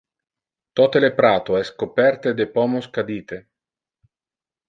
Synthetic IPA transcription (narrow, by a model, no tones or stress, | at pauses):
t̪ɔt̪elepɾaːt̪oɛskopɛɾt̪ed̪epɔmoskad̪iːt̪e